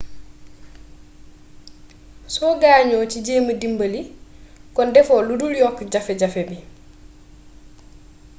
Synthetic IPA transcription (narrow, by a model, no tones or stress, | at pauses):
sɔɡaːɲɔːt͡ʃiɟeːmədimbɐlikɔndɛfɔːluduljɔkːɟafɛɟafɛbi